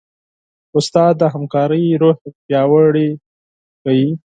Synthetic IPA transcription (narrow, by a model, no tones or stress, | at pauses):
ʊst̪ɑd̪̚d̪ːəɦamkɑɾəjɾohpjɑwəɽe | xaji